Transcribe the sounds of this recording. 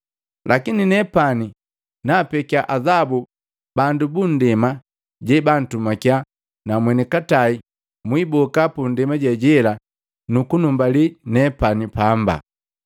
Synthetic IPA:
lʔakininɛpani | napɛkiaʔazabu | bandubun̩dɛma | ɟɛban̩tumakia | namwɛnikatai | mwibɔkapundɛmaɟɛɟɛla | nukunumbalinɛpanipamba̰

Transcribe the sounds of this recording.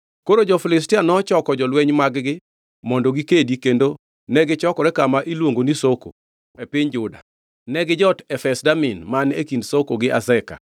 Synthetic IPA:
koɾod͡ʒɔfɪlɪs̬tɪanɔt͡ʃɔkɔd͡ʒɔlwɛɲmaɡɡɪ | mɔndoɡikedikendo | nɛɡɪt͡ʃɔkɔɾɛkamaʔilwoŋɡonisoko̰ | epɪɲd͡ʒʊda̰ | nɛɡɪd͡ʒɔtɛfɛsdamɪnmanekindsokoɡɪʔazɛka̰

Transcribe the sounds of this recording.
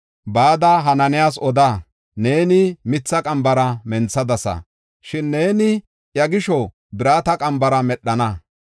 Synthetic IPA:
baːd̪ɐɦɐnɐnɪjaːs̬ɔd̪a | ne̞ːnɪmɪt͡sːɐkʼɐmbɐɾɐmɛnt͡sːɐd̪ɐsɐ̰ | ʃɪnːe̞ːnɪ | jɐɡɪʃɔ | bɪɾaːt̪ɐkʼɐmbɐɾɐmɛɗːɐnɐ

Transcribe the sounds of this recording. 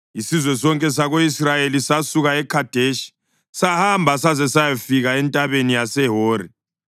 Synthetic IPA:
isizwɛsɔŋkʼɛs̬aɣoisrajelisasuɣaɛkʰad̥ʱeʃi̥ | sahambʱas̬azɛsajafiɣaɛntʼaβenijasɛɦoːri

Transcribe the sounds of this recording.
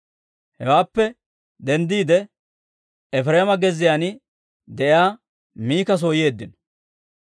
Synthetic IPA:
hɛwaːpːɛ | d̪ɛnd̪iːd̪ɛ | ɛfɾeːmɐɡɛzːɪjanɪ | d̪ɛʔɪaː | miːkɐs̬oːje̞ːd̪ːɪn

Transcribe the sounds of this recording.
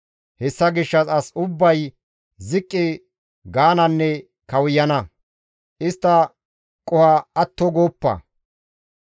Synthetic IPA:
hɛsːɐɡɪʃːɐsɐsʊbːɐj | zɪkʼːɪ | ɡaːnɐnːɛ | kɐwʊjːɐnɐ | ʔɪst̪ːɐ | kʼːɔhɐɐt̪ːɔɡoːpːɐ̰

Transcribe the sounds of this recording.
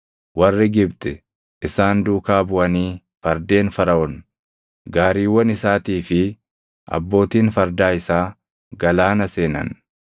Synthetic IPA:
wɐrːɪɡɪbt̪ɛ | ʔɪsaːnd̪uːkaːbʊʔɐniː | fɐɾd̪e̞ːnfɐɾɐʔɔn | ɡaːɾiːwːɐnɪsaːt̪iːfɪ | ʔɐ̰bːo̞ːt̪iːnfɐɾd̪aːɪsaː | ɡɐlaːnɐse̞ːnɐ̰n

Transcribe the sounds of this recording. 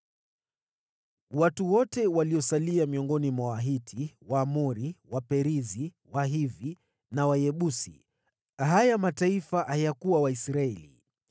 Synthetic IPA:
watuwɔtɛwaliɔsaliamiɔŋɡɔnimwawaɦitʰiwaːmɔɾiwapɛɾizi | waɦivi | nawajɛɓusḭ | ɦajamataifaʔajakuwawaisɾaɛlḭ

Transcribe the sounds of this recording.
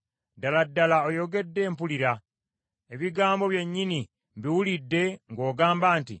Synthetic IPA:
daladːalaojo̞ɡe̞dːe̞ːmpuliɾa | e̞βiɡaːmbo̞βje̞ɲːini | biwulidːe̞ŋɡo̞ːɡaːmbaːntḭ

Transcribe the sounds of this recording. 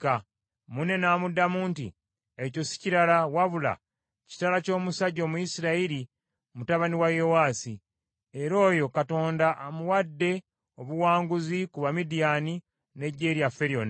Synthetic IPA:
ka | mune̞naːmudamuːntḭ | eco̞si̥ciɾalawaβula̰ | ci̥talaco̞ːmusaɟo̞ːmuisiɾaiɾi | mutaβaniwajowaːsi | e̞ɾo̞ːjo̞kato̞ːndaʔamuwadːe̞ | oβuwaːŋɡuzikuβamidijani | ne̞ɟːe̞ːɾjafːe̞ɾion

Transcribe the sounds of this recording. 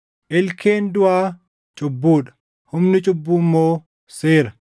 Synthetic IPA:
ʔɪlkʰeːnd̪ʊʔaː | t͡ʃʼʊbːuːᶑɐ̥ | hʊmnɪt͡ʃʼʊbːuːmːoː | seːɾɐ

